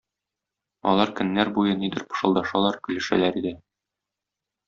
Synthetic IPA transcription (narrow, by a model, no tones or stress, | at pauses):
ɒ̰lˠɑɾkɵ̆nːæɾbujɤnid̪ɘ̆ɾpɤ̥̆ʃɤ̆lˠd̪ɑʃɑlˠɑɾkɵ̆lɘ̆ʃæ̰læɾid̪ɘ